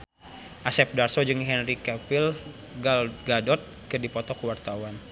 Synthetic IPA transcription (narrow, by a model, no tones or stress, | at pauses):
ʔasɛp̚darsɔd͡ʒɨŋɦɛnrikɛfil | ɡalɡadɔt̪̚kərdipɔt̪ɔkəwart̪awan